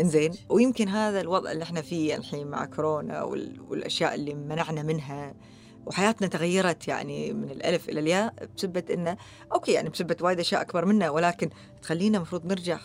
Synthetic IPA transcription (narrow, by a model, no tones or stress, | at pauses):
ʔɪnzeːnwjɪmkɪnɦaːðalwɑðˤʔɪ̰lːiʔɪħnafiːa̰lħiːma̰ʕkɾoːna̰wɪ̰wɪ̰lʔa̰ʃja̰ːʔɪlːimanaʕnamɪnɦa | wħajaːt̪nat̪aɣajːɑɾˤɑt̪ja̰ʕnimɪnɪlʔa̰lfʔɪ̰laljaːbsabːat̪ʔɪnːa | ʔoːkeːja̰ʕnibsabːat̪waːjɪd̪ʔaʃjaːʔakbɑɾˤmɪnːawɪlaːkɪn | t̪xalːiːnamɑfɾuːðˤnɪɾd͡ʒaʕ